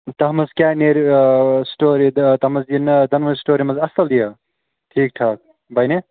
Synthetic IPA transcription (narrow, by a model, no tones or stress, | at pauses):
t̪ɐɦmɐskʲaneɾsʈoɾit̪ɐmɐsind̪ɐnmɐsʈoɾimɐzɐst̪ɐld̪ijɐ | ʈʰik̚ʈʰak̚ | bɐjne